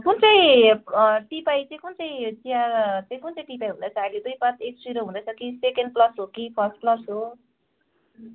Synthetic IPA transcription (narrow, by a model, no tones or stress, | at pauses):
kunt͡sʌĩ | ʈipajt͡saĩkunt͡sʌ̃j̃t͡sijart͡sʌjkunt͡sʌ̃j̃ʈipajɦunʌt͡saĩled̪ujpãt̪ek̚sriɾoɦũd̪ʌsʰʌkisekenɖ̚plʌsɦokipʰʌsʈ̚plʌsɦo